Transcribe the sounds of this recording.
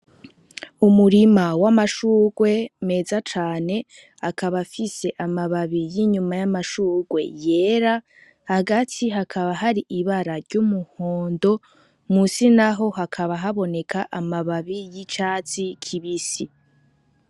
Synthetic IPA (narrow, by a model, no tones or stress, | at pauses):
umuɾimawamaʃuːɡwe̞me̞ːzat͡ʃaːne̞ | akaβafise̞ʔamaβaβijiɲumajamaʃuːɡwe̞̰je̞ːɾa | haɡatʰiɦakʰaβaɦaɾiʔiβaɾaɾɟumuhoːndo̞ | musinaɦo̞hakʰaβaɦaβo̞ne̞kʰaʔamaβaβijit͡ʃaːt͡sikʰiβisi